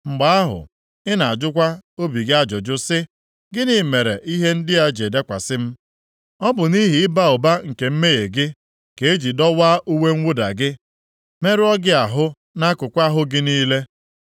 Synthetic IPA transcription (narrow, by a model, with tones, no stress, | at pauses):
ŋ͡m̩˨ɡ͡ba˨a˦ɦʊ̰˨ | ɪ˦na˨a˨d͡ʒʊ˦kʷa˦o˦bi˨ɡɪ˦a˦d͡ʒʊ˨d͡ʒʊ˦sɪ˦ | ɡɪ˦nɪ˨me˨ɾe˨ʔi˦ɦe˦n̩˦dɪ˦a˦d͡ʒe˨de˦kʷa̰˨sɪ˦m̩˦ | ɔ˦bʊ˨ni˦ɦi˨ɪ˦ba˦ʊ˨ba˦ŋ̩˨ke˨m̩˦me˦je˨ɡɪ˦ | ke˨e˦d͡ʒi˨dɔ˦wa˦ʔu˦we˦ŋ̩˦wʷʊ˦da̰˨ɡɪ˦ | me˦ɾɪ˦ɔ˦ɡɪ˦a˨ɦʊ˦ | na˦kʊ˨kʷa˦ɦʊ˦ɡɪ˦niː˦le˦